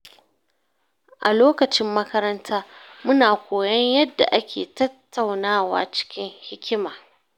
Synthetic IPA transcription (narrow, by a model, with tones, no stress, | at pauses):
ʔa˨loː˦kɐ˨t͡ʃɪ˦mːɐ˦kɐ˦ɾɐ˦ntʰaː˦mʊ˦naː˨kʷoː˨jɐ˦ɲjɐ˦dːa̰˨ʔa˦kʲḛː˨tɐ˦tʰːa˨wnaː˦˨wa̰ː˦t͡ʃɪ̥˦kʲɪ˦ŋhɪ˦kʲɪ˦maː˨